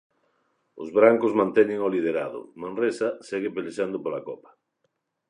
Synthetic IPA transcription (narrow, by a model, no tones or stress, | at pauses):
ʊ̰zβɾaŋkozmãnt̪ɛɲɪŋolið̞eɾa̰ðʊ̰mãnresaseɣepeleʃand̪opolakɔpḁ